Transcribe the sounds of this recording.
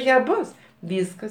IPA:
ˈjɛ ˈbʊs ˈʋʲiːskɐs

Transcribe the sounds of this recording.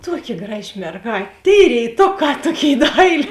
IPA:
ˈtuɔˌkʲɪ ˈɡrɑːˌʒʲɪ mʲɛrˈɡɑːtʲ tʲeːɪ rʲeːɪˈtoːˌkɑː ˈtuɔˌkʲeːɪ ˈdɐɪlʲeː

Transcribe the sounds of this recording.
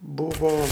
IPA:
ˈbʊʋoː

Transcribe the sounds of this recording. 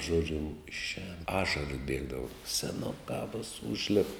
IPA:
ˈʒoːd͡ʒʲʊ ɪʃʲˈɛːn ˈɑːʃɐrɐs ˈbʲiɛɡdɐʋɐ sʲɛˈnʊkɑː ʋoːs ˈʊʒʲlʲɪp

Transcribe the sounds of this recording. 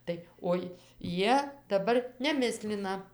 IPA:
ˈtɐɪ oːɪ ˈjiɛ dɐˈbɐr nʲɛˈmʲɪsʲlʲɪnɐ

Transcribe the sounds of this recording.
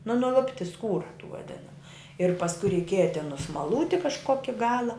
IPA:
nʊ nʊˈlˠʊpʲtʲɪ ˈskuːrɐ tuː ʋɐˈdʲɪnɐmʊ ɪr pɐsˈkʊ rʲɛɪˈkʲiɛjɛ tʲɪn nʊsmɐˈlˠuːtʲɪ kɐʃˈkoːkʲɪ ˈɡɑːlˠɐ

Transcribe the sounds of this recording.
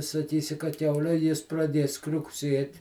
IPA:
sɐˈkʲiːsʲɪ kɐ ˈkʲɛʊlʲɛ ˈjɪs prɐˈdʲiɛs krʲʊkˈsʲiɛtʲ

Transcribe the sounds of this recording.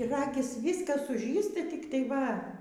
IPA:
ˈrɑːɡʲɪs ˈʋʲiːskɐs sʊˈʒʲiːsʲtʲɪ tʲɪk tɐɪ ˈʋɐ

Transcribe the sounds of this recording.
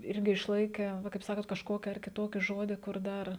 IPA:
ˈɪrʲɡʲɪ ɪʃˈlˠɐɪkʲæː ˈʋɐ kɐɪp ˈsɑːkoːt kɐʃˈkoːkʲɪ ɐr kʲɪˈtoːkʲɪ ˈʒoːdʲɪ kʊr ˈdɐr

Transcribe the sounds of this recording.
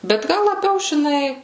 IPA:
bʲɛt ˈɡɐlˠ lˠɐˈbʲɛʊ ʒʲɪˈnɐɪ

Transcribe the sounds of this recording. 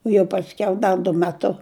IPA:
oː jɛʊ pɐsʲˈkʲɛʊ ˈdɐ dʊ mʲɛˈtʊ

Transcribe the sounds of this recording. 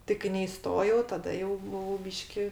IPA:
ˈtʲɪ kɐɪ nʲɛɪˈstoːjɛʊ tɐˈdɐ jɛʊ bʊˈʋɐʊ ˈbʲiːʃʲkʲɪ

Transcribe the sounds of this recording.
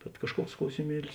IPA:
bʲɛt kɐʃˈkuɔks klˠɐʊsʲɪˈmʲiɛlʲɪs

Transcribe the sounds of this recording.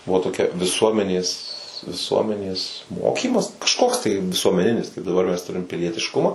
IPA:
ˈbʊʋoː toːˈkʲɛ ʋʲɪˈsuɔmʲɛnʲeːs ʋʲɪˈsuɔmʲɛnʲeːs ˈmoːkʲiːmɐs kɐʃˈkoːks tɐɪ ʋʲɪsuɔmʲɛˈnʲɪnʲɪs kɐɪp dɐˈbɐr mʲɛs ˈtʊrʲɪm pʲɪlʲiɛtʲɪʃˈkʊmɑː

